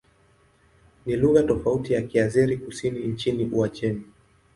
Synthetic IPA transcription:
niluɣatɔfautijakiaziɾikusiniɲt͡ʃiniʔuat͡ʃɛni

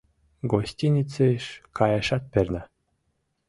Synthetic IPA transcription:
ɡosʲtʲinʲit͡seʃkɑjɑʃɑt̪̚perʲnæ

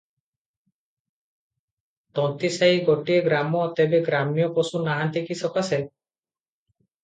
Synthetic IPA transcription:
t̪ɔnt̪isaɦiɡoʈieɡɾamɔːt̪ebeɡɾamijɔpɔsunaɦant̪ikisɔkase

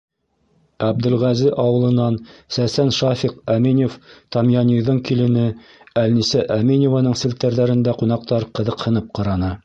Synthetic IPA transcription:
æb̚d̪ɘ̆lʁæzɘʔɑwɤ̆lˠɤ̆nːɑnsæsænʃɑfiqæminʲoft̪ɑmjɑnʲiðɤɴkilɘ̆nɘ | ælnisæʔæminʲovɑnɤɴsɘ̆lt̪ːæɾðæɾɘ̆nd̪æqunɑq̚t̪ɑɾqɤ̆ðɤ̆qhɤ̆nɤp̚qɑɾɑnɤ

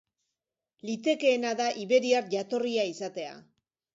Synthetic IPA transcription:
lit̪e̞ke̞ːnaðaʔiβe̞ɾiaɾʝat̪o̞riaisat̪e̞a̰

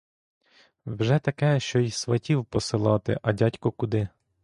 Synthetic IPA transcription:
wʒɛt̪ɐkɛʃt͡ʃɔjsʋɐtʲiwpɔsɪlˠɑt̪ɪ̰ʔɐdʲatʲkɔkʊd̪ɪ

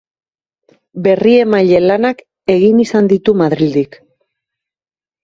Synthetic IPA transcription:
be̞rie̞maʎe̞lanak | e̞ɣinisand̪it̪umaðɾild̪ik

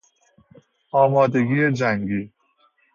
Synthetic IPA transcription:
ɔːmɔːd̪eɡied͡ʒaŋɡiː

